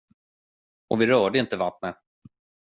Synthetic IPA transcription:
ʔɔvɪɾœːɖəɪnt̪əvat̪mɛ

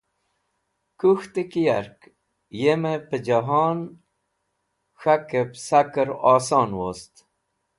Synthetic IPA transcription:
kuxt̪ekija̰ɾk | jemepəd͡ʒaɦɑn | xakepsakəɾɑːsɑːnwost̪

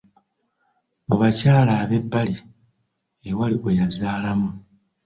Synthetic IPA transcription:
buβacaːlaːβe̞bːali | ewaliɡwejazaːlamu

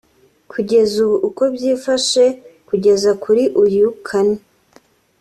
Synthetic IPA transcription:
kʰuɟe̞zuβuʔːko̞bjiːfaʃe̞kuɟe̞zakʰuɾiʔujukʰani

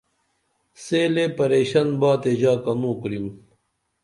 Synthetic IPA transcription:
seːlepɐɾeːɕɐnbaːt̪eʑaːkɐnũːkɾim

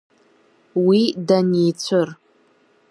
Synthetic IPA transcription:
widanijt͡ɕʷʰɨr

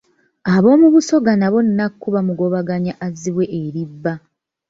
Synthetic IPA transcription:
aβo̞ːmuβuso̞ɡanaβo̞nnakkːuβamuɡo̞βaɡaɲaʔaziβwe̞ʔeɾibːa

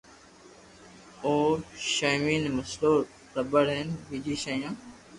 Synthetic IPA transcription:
oːʃaːmiːnməsloː | ɾəbəɽɦeːnʋiːd͡ʒiːʃəːjãː

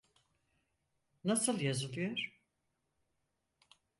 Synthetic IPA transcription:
nasɯlˠjazɯlˠɯjoɾ̥

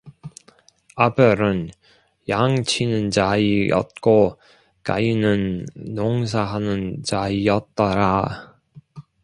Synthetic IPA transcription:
abɯɾɯn | jaŋt͡ɕʰinɯnt͡ɕaijʌ̰t̚k͈o | ka̰inɯnːoŋs̬ʰaɦanɯnt͡ɕaijʌt̚t͈ʌɾa

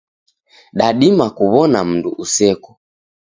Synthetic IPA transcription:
ɗaɗimakuβɔnam̩nduʔusɛkɔ̥

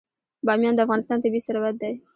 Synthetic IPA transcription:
bɑmjɑnd̪əafɣɑnɪst̪ɑnt̪abisaɾawat̪̚d̪aj

